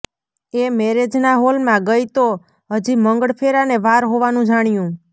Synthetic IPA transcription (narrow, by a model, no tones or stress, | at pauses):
emɛɾed͡ʒnaɦolmãɡəjt̪o | ɦəd͡ʒiməŋɡəɽpʰeɾaneʋaɾɦoʋanũd͡ʒaɽ̃jũ